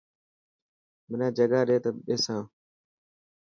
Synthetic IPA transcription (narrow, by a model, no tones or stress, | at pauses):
mənãːd͡ʒəɡaːɗeːt̪əɓeːsãː